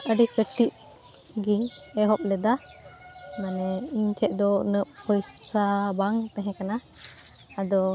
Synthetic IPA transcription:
əɖikəʈiʔ̚ | ɡiŋɛɦɔp̚lɛd̪a | manɛiɲt̪ʰɛʔd̪ɔnəp̚pɔjssabaŋt̪ɛ̃ɦɛ̃kanaː | d̪ɔ

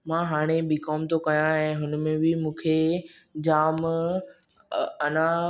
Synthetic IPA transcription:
mãːɦaːɽ̃eɓikɔːmt̪okɐjãɦɛ̃ːɦʊnmẽbɪmũːkʰed͡ʑaːm | ɐnã

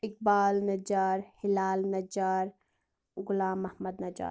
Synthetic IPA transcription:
ɪk̚baːlnɐd͡ʒaːɾhɪlaːlnɐd͡ʒaːɾ | ɡʊlaːmɐhməd̪nɐd͡ʒa̰ːɾ

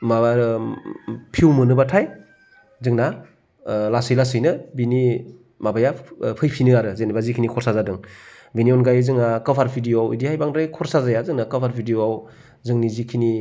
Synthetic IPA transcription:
maɾ | pʰiwmɯnɯbatʰaj | zɯŋna | lasɯjlasɯjnɯbini | mabajapʰɯjpʰinɯaɾɯzenibazikʰinikʰɔɾsazadɯŋ | biniɔnɡajzɯŋakɯpʰaɾpʰidijoawidihajbaŋdɾajkʰɔɾsazajazɯŋnakɯpʰaɾpʰidijoaw | zɯŋnizikʰini

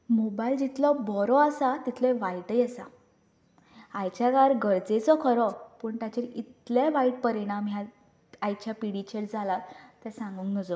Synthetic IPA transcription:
mobaild͡ʑit̪lɔbɔɾɔasat̪it̪ʰleʋaiʈəjasa | ajt͡ɕaɡaɾɡəɾd͡zet͡sɔkʰəɾɔpəːɳt̪jat͡ɕeɾit̪leʋaiʈ̚pəɾiɽ̃amɦja | ajt͡ɕjapiɽit͡ɕeld͡zʱalat̪t̪ːɛsãŋɡuŋknəd͡zɔ

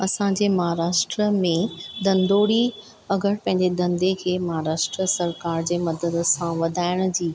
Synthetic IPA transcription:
ɐsãɲd͡ʑeːmɐɦaɾaːʃʈɾəmẽd̪ɐ̃nd̪oːɽi | ɐɡəɽpɐ̃ɦɪ̃ɲd͡ʑed̪ɐ̃nd̪ekʰeːmɐɦaɾaːʃʈɾəsɐɾkaːɾd͡ʑeːmɐd̪əd̪ə̆sãʋɐd̪ʱaːɪɽ̃ʊ̆d͡ʑiː

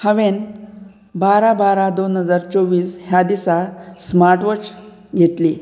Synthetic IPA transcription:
həʋen | baɾabaɾad̪onɦəd͡zaɾt͡soʋiːsɦjad̪isasmaɾʈʋət͡s | ɡʱet̪li

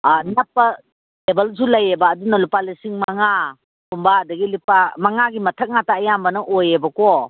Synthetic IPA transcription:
anapːɐ | ebɐls̬ulɐjebɐːdunɐlupalisiŋmaŋa | kumbaːdɐɡilipamaŋaɡimɐtʰɐk̚nataːjambɐnɐʔojebɐkɔ

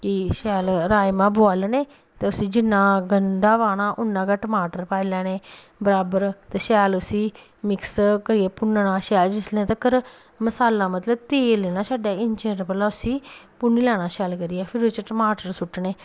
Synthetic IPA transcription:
kɪʃɛːlɾaːjmãːboaːlneː | t̪eːʊsiːd͡ʒɪnːãːɡəɳɖaːʋaːɽaːʔʊnːãːkaːʈəmaːʈəɾpaːilɛːneː | bəɾaːbəɾt̪eːʃɛːlʊsiː | mɪkskəɾiːɛːpʊnnaːʃɛːld͡ʒɪslẽːt̪əkːəɾ | məsaːlãːmət̪ləbt̪eːleːnãːsaːɖaːɪnt͡ʃeːʈpəlaːʊsĩː | pʊniːlɛːɽ̃aːʃɛːlkəɾiːɛːpʰɪɾʊt͡ʃʈəmaːʈəɾsʊʈːneː

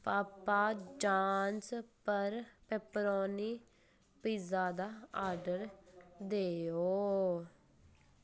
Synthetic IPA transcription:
paːpaːd͡ʒaːnspəɾpɛːpɾoːniː | piːzaːd̪aːaːɾɖəɾd̪eːoː

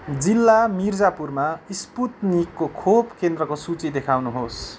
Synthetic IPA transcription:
d͡zilːamird͡zapurmaisput̪nikːokʰopkend̪rʌkosut͡sid̪ekʰawnuɦos

